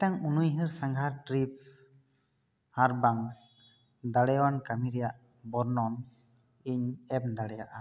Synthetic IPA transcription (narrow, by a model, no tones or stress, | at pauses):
ʈaŋunujɦɯɾsaŋɡʱaɾʈɾip̚ | haɾbaŋ | d̪aɽɛjwankamiɾɛjaʔ | bɔɾnɔn | iɲɛp̚d̪aɽɛjaʔa